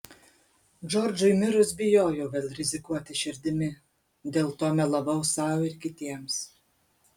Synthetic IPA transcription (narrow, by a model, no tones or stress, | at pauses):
d͡ʒɔɾʲd͡ʒʊɪmʲɪɾʊsbʲɪjoːjɛʊʋʲeːlʲˠɾʲɪzʲɪkuɔt̪ʲɪʃʲɪɾʲd̪ʲɪmʲɪ | d̪ʲeːlˠt̪oːmʲɛlˠɐbɐʊsɑˑʊɪɾkʲɪt̪ʲiɛms